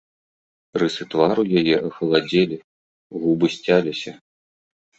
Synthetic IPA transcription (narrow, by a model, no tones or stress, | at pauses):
rɨsɨt̪vaɾujajɛʔɐxɐlˠad͡zʲɛlʲi | ɣubɨsʲt͡sʲalʲisʲɐ